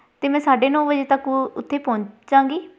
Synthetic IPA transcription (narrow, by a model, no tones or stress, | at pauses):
t̪eːmɛ̃ːsaːɖeːnɔ̃ːbəd͡ʒeːt̪əkʊt̪ʰːeːpɔ̃ːɲd͡ʒãːŋɡiː